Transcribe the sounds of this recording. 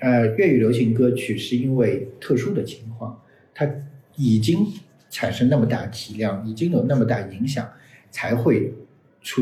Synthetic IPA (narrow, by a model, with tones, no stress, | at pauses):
ə˧ɥɛ˥˩y˨˩ljo˧˥ʊɕi˧˥ŋkɤ˥t͡ɕʰy˨˩ʂɻ̩˥˧i˥nwe˥˧ɪt̪ʰɤ˥˩ʂu˥d̪ə˨t͡ɕʰi˧˥ŋkʰwɑ˥˩ŋ | t̪ʰa˥ | i˨˩t͡ɕi˥ŋ | ʈ͡ʂʰa˨˩nʂɤ˥ŋna˥˩mə˩t̪a˥˩ə˩t̪ʰi˧˥ljɑ˥˩ŋi˨˩t͡ɕi˥ŋjo˨˩ʊna˥˩mə˩t̪a˥˩i˧˥ŋɕjɑ̰˨˩˦ŋ | t͡sʰa˧˥ɪxwe˥˩ɪ | ʈ͡ʂʰu˧˥